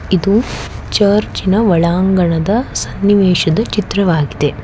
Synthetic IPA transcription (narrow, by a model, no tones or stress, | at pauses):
id̪ut͡ʃɐːɾt͡ʃinɐʋɐɭaːŋɡɐɳɐd̪ɐsɐnːiʋeːʃɐd̪ɐt͡ʃit̪ɾɐʋaːɡid̪e